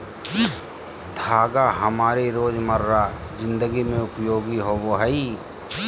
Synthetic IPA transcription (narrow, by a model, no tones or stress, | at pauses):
d̪ʱaːɡaɦəmaːɾiɾoːd͡ʒməɾːad͡ʒɪ̃nd̪əɡimẽʊpjoːɡiɦoʋoɦɛi